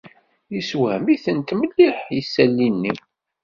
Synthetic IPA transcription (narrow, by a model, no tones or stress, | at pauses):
jiswæmiθənt̪məlːiħjəsːælːinːi